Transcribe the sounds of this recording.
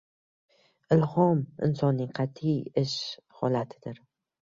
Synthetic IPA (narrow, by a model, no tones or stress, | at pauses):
ɪlhɒmɪ̰nsɒnːɪŋqʰɑt̪ʰːijɪʃhɒ̰lat̪ʰɪd̪̥ɪɾ